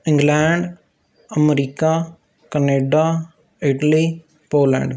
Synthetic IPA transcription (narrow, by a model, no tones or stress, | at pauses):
ɪ̃ŋɡlɛːɳɖ | əmɾiːkaː | kəneːɖaː | ɪʈəliː | poːlɛ̰̃ːɳɖ